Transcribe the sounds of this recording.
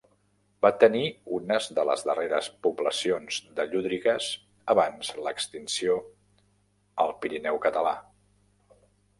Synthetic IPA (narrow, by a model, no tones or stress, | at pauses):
bat̪əniunəzðələ̰zðəreɾə̰spubləsionz̥d̪əʎuðɾiɣəz | əβanzləkst̪insio | əlˠpiɾinɛwkət̪əla̰